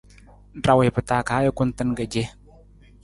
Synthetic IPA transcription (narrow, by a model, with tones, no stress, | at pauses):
da˨we˨pə˨ta˨ka˨a˦jo˦kʊ˦ntə˦nɡa˨d͡ʒe˦